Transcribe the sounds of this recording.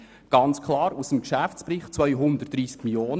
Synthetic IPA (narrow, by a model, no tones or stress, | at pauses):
ɡ̥ɑnt͡skʰlɑːɾusəmkʃæft͡spɾiχt͡sʋœʏɦʊnd̪ətd̥ɾiːskmiljoːn